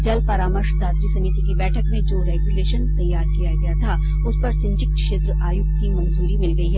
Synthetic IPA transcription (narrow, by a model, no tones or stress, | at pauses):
d͡ʒɐlpɐɾaːməɾʃd̪ʱaːt̪ɾisɐmit̪ikibɛːʈʰəkmẽd͡ʒoːɾɛːɡjuleːʃənt̪ɐjːaːɾkijaɡɐjat̪ʰa | ʊspɐɾsɪ̃ɲt͡ʃɪk̚kʃeːt̪ɾəʔaːjʊk̚t̪ʰkimɐ̃nzuːɾimɪlɡɐiɦɛː